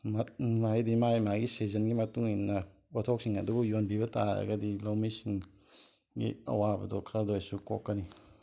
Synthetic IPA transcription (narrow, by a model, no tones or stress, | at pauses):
mamajdimajmaɡisizənɡimɐtuŋinnːɐ | otʰok̚siŋɐduɡɔjonbibɐtaɾa̰ɡɐdilawmisiŋ | ɡḭɐ̰wabɐ̰dɔkʰɐɾdojsuko̰kːɐni